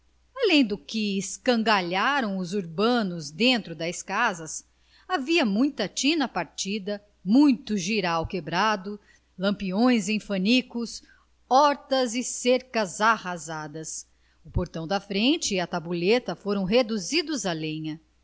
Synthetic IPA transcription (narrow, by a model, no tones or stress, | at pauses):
alẽj̃d̪ʊkɪːskɐ̃ŋɡaʎaɾɐ̃w̃ʊzuɾbɐ̃nʊzd̪ẽnt̪ɾʊd̪ɐskazɐs | aviɐmũj̃t̪ɐt͡ʃĩnɐpaɾt͡ʃid̪ɐ | mũj̃t̪ʊʒiɾawkebɾad̪ʊ | lɐ̃mpiõj̃zẽj̃fɐnikʊs | ɔɾt̪ɐzɪseɾkɐzahazad̪ɐs | ʊpoɾt̪ɐ̃w̃d̪ɐfɾẽnt͡ʃɪɐt̪abulet̪ɐfoɾɐ̃w̃ɦed̪uzid̪ʊzalẽɲɐ